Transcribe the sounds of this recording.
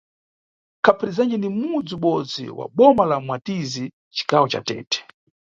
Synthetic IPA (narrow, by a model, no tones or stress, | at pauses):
kʰapɾizand͡ʒɛnimud͡ziuɓɔd͡zḭwa̰ɓɔmalamwatizi | t͡ʃi̥kawɔt͡ʃa̰tɛ̰ːtɛ̥